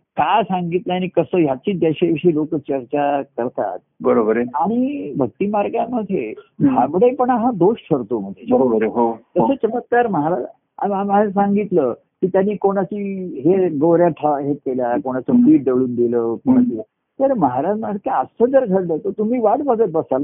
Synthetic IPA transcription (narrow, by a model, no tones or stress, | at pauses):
kajsaŋɡit̪ləaɽ̃ikəsəːjat͡ɕiːd͡zaɕeʋiʂiːlokət͡ɕəɾt͡ɕakəɾt̪a̰t̪̚bəɾobəɾeaɽ̃ibʱək̚t̪iːmaɾɡjaməd̪ʱjeɦjabəɽepəɳaɦãd̪oʂʈ̪ʰəɾt̪oməd̪ʱjebəɾobəɾeɦot̪əsəːt͡ɕəmət̪̚kaɾməɦaɾa | a̰amasaŋɡit̪lə | kiːt̪janːiːkoɽ̃at͡ɕiːɦeɡowɾjaʈʰaɦekeljakoɽ̃at͡səfiːʈ̚d̪eʋɭuːnd̪iləːkoɽ̃at͡ɕi | t̪əɾməɦaɾad͡ʑmakeəst̪ʰəd͡zəɾɡʱəɾlət̪ət̪um̤iːʋaʈbəd͡zət̪̚bəsala